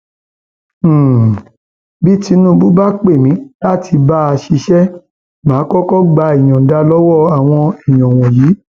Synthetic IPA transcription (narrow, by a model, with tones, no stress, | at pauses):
bi˦ti˧nũ˦bu˦ba˦k͡pe˦˨mĩ˨˦la˦ti˧ba˦a˧ʃi˧ʃɛ˦ | mãː˨˦kɔ˦kɔ˦ɡ͡ba˧i˨j̃ɔ̃˨da˧lɔ˦wɔ˦˨a˨w̃ɔ̃˧i˨j̃ɔ̃˨w̃ɔ̃˨ji˨˦